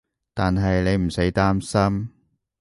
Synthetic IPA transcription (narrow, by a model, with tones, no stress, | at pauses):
t̪aː˨nɦɐ˨jne˨˧jm̩˨˩se˨˥jt̪aː˥msɐ˥m